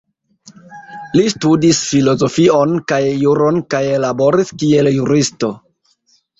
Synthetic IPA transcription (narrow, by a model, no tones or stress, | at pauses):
listudisfilo̞zo̞fio̞nkajːuɾo̞nkajelabo̞ɾiskie̞ljuɾisto̞